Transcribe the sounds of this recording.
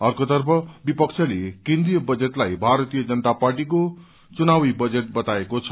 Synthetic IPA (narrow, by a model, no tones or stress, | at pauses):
ʌrkot̪ʌrpʰʌbipʌkt͡sʰʌlekẽnd̪rijʌbʌd͡zeʈlajbʱaɾʌt̪ijʌd͡zʌnʌt̪aparʈik̬o | t͡sunawibʌd͡zeʈ̚bʌt̪aekot͡sʰʌ